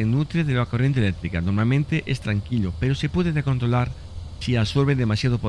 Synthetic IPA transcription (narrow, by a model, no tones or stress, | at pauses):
enut̪ɾeðeloakorjent̪elekt̪ɾikanoɾmalmẽnt̪eʔest̪ɾaŋkilopeɾosepweðeðeko̞nt̪ɾolaɾ | siaβsoɾβed̪emasjaðopo